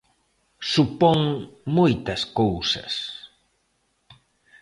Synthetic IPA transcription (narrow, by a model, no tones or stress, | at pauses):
supɔŋmojt̪ɐskowsɐ̰s